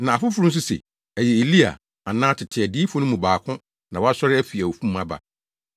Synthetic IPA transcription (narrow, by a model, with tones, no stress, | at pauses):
nã˨a˨fʊ˦fʊ˦ɾʊ̃˦n̩˦s̬u˦sḛ˨ | æ˨jɛ˨e˨li˦a̰˨ | a˨nã˦tʰɪ˨tʰɪ˨ɛ˨di˦fʊ˦nʊ̃˦mũ˨baː˨kʰʊ̃˦ | nã˨wɔ˦a˦sɔ˦ɾɪ˦æ˦fi˨a˨o˨fũ˦m̩ː˦mã˦ba̰˨